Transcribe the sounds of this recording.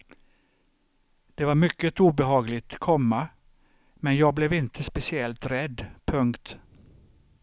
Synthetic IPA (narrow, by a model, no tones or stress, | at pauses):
d̪̥ɛvaɾmʏkːət̪uːbɛɦɑːɡlɪt̪kʰɔmːa | mɛnjɑːɡ̚blɛvɪnt̪ʰəspɛsɪɛlt̪ɾɛd̪ːpʰɵŋkt̪